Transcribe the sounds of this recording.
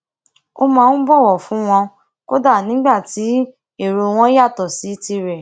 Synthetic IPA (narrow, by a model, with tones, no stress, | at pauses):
o˧mãː˧ñ̩˦bɔ˦˨wɔ˨fũ˨˦w̃ɔ̃˧ | ko˦da˦˨nĩ˨˦ɡ͡ba˦˨ti˨˦ | e˦˨ɾo˧w̃ɔ̃˦ja˦˨tɔ˨si˨˦ti˧ɾɛ˨